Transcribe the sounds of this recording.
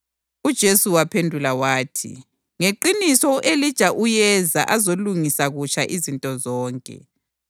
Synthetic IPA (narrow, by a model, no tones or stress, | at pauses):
ud̥ʒ̥ʱesuwapʰendʱulawaːtʰḭ | ŋeǃinisɔʔelid̥ʒ̥ʱaʔujɛza̰ʔazoluŋisaɣut͡ʃʰʼaʔizintʼɔzɔːŋkʼɛ̰